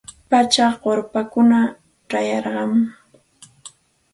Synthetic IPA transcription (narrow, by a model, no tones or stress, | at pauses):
pat͡ʃaɢoɾpakʊna | ʈ͡ʂajɑɾɢɑm